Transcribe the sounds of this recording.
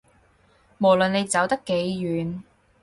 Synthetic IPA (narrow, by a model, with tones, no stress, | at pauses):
mo˨˩wlɵ˨ne˨˧jt͡sɐ˨˥wt̪ɐ˥kːe˨˧jːyː˨n